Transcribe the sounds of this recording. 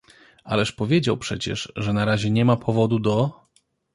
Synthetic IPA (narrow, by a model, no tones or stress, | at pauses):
a̰lɛʂpɔvʲjed͡ʑawpʂɛt͡ɕɛ̰ʂʐɛnaɾaʑɛɲɛmapʰɔvɔd̪ud̪ɔ